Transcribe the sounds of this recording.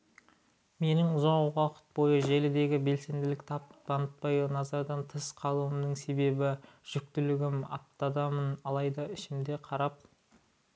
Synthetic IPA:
me̞nɪŋʊzɑɴʁɑqə̥t̪̚bo̞jəʒelɪd̪e̞ɡʲɪbe̞lse̞nd̪ɪlɪk̚t̪ʰɑpt̪ɑnət̪̚pɑjənɑzɑɾd̪ɑnt̪ʰəsqʰɑlˠuəmd̪əŋse̞be̞bɪʒ̥ʏk̚t̪ɪlɪɡʲɪmɑ̰p̚t̪ɑd̪ɑmənɑlˠɑjd̪ɑɪʃɪmd̪e̞qʰɑɾɑp̚

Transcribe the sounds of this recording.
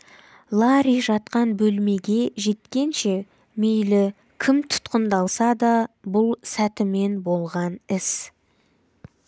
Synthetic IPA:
lˠɑɾiʒɑt̪qɑnbɵlme̞ɡʲe̞ʒe̞t̪kʲe̞nʃe̞ | mejlɪ | kʲʰɪmt̪ʰʊ̥t̪qənd̪ɑlˠsɑd̪ɑbʊlˠsæt̪ɪme̞nbo̞lˠʁɑnɪs

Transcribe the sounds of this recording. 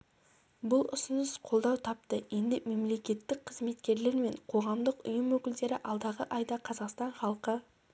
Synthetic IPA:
bʊlˠʊ̰sɪnəsqʰo̞lˠd̪ɑwt̪ʰɑp̚t̪əje̞nd̪ɪme̞mle̞kʲe̞t̪ːɪk̚qʰəzme̞t̪kʲe̞ɾle̞ɾme̞ɴqʰo̞ʁɑmd̪əqʊ̰jəmwɵkʲɪld̪e̞ɾɪʔɑlˠd̪ɑʁəʔɑjd̪ɑqʰɑzɑqst̪ɑɴχɑlˠqə

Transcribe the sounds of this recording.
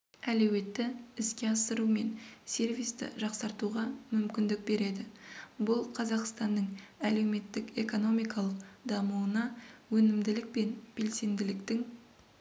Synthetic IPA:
ælɵwe̞t̪ːɪɪskʲe̞ɑsəɾume̞nse̞rvijst̪ɪ̰ʒɑqsɑɾt̪uʁɑmʏmkʲɪnd̪ɪk̚be̞ɾe̞d̪ɪbʊlˠqʰɑzɑqst̪ɑnd̪əɴæle̞wme̞t̪ːɪke̞ko̞no̞mijkɑlˠəqd̪ɑmuənɑwɵnɪmd̪ɪlɪk̚pe̞nb̥e̞lse̞nd̪ɪlɪkt̪ɪŋ

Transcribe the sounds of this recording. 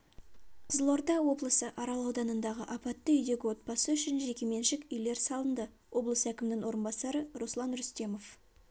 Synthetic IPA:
qʰzəlˠo̞ɾd̪ɑwo̞blˠəsəʔɑɾɑlˠɑwd̪ɑnənd̪ɑʁəʔɑpɑt̪ːəʏjd̪e̞ɡʲɪwo̞t̪̚pɑsəʏʃɪnʒe̞kʲe̞me̞nʃɪkʲʏjle̞ɾsɑlˠənd̪ə | wʔo̞blˠəsəækʲɪmɪnɪŋwo̞ɾənbɑsɑɾəɾoslˠɑnɾʏst̪e̞mo̞f

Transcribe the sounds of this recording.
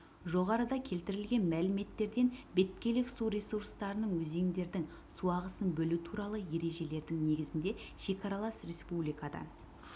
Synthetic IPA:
ʒo̞ʁɑɾəd̪ɑkʲʰe̞lt̪ɪɾɪlɡʲe̞nmælɪme̞t̪ːe̞ɾd̪e̞nbe̞t̪kʲe̞lɪksuɾesuɾst̪ɑɾənəɴwɵze̞ŋd̪e̞ɾd̪ɪŋ | suɑʁəsənbɵlut̪ʰuɾɑlˠəje̞ɾe̞ʒe̞le̞ɾd̪ɪŋne̞ɡʲɪzɪnd̪e̞ʃe̞kʲɑɾɑlˠɑsrʲe̞spublijkɑd̪ɑ̰

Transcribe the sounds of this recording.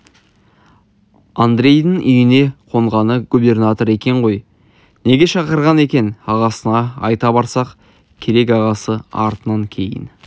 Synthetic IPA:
and̪ɾʲe̞jd̪əŋʔʏjɪne̞qʰo̞ɴʁɑnəɡube̞rnat̪o̞ɾe̞kʲe̞ɴʁo̞j | ne̞ɡʲe̞ʃɑqəɾʁɑne̞kʲe̞nɑʁɑsənɑɑjt̪ɑbɑɾsɑq | kʲʰe̞ɾe̞k̬ɑʁɑsəɑ̰ɾt̪ənɑŋkʲʰe̞jɪ̰n

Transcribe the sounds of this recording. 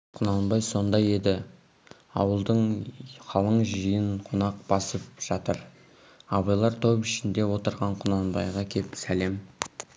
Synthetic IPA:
qʰʊnɑnbɑjso̞nd̪ɑje̞d̪ɪ | ɑ̰wəlˠd̪əɴχɑlˠəɴʒijɪɴqʰonɑq̚bɑsəp̚ʒ̥ɑt̪əɾ | ɑbɑjlˠɑɾt̪ʰo̞pɪʃɪnd̪e̞wo̞t̪əɾʁɑɴqʰʊnɑnbɑ̰jʁɑkʲʰe̞psæle̞m

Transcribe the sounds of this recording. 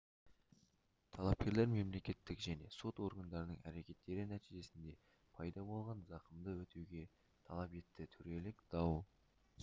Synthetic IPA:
t̪ʰɑlˠɑp̚kʲe̞ɾle̞ɾme̞mle̞kʲe̞t̪ːɪkʒæne̞so̞t̪o̞ɾɡɑnd̪ɑɾənəɴæ̰ɾe̞kʲe̞t̪ːe̞ɾɪnæt̪iʒe̞sɪnd̪e̞ | pʰɑjd̪ɑbo̞lˠʁɑnzɑqəmd̪əwɵt̪ewɡʲe̞ | t̪ʰɑlˠɑpe̞t̪ːɪt̪ʰʏɾe̞lɪkd̪̥ɑw

